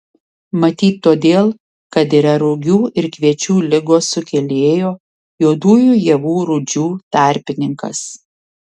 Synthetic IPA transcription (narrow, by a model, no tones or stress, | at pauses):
mɐt̪ʲiːt̪ʲːoːd̪ʲeːlˠ | kɐt̪iɾɐɾʊɡʲuːɪɾkʋʲiɛt͡ʃʲuːlʲɪɡoːsʊkʲɛlʲeːjoː | joːd̪uːjuːjɛʋuːɾʊd͡ʒʲuːt̪ɑˑɾʲpʲɪnʲɪŋkɐ̰s